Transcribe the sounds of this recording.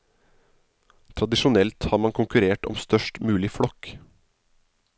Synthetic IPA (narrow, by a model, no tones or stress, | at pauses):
t̪ʰɾɑd̪ɪʃʊnɛlt̪hɑːɾmɑŋkʰʊŋkʉɾeːʈɔ̰mst̪œʃʈmʉːlɪfɽɔk